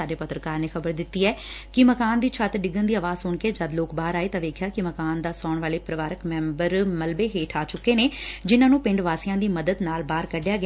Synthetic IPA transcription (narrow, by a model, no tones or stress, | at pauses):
aːɖeːpət̪ɾəkaːɾneːxʰəbəɾd̪ɪt̪ːiːɛːkɪməkaːnd̪iːt͡ʃʰət̪ɖɪɡənd̪iːaːʋaːzsʊɳkeːd͡ʒəd̪loːkbaːɾaːeːt̪ãːʋeːkʰjaːkɪməkaːnd̪aːsɔːɳʋaːleːpɾəʋaːɾəkmɛ̃ːmbəɾməlbeːɦeːʈʰaːt͡ʃʊkːeːneːd͡ʒɪnãːnũːpɪ̃ɳɖʋaːsijãːd̪iːməd̪əd̪naːlbaːɾkəɖɪjaːɡɪaː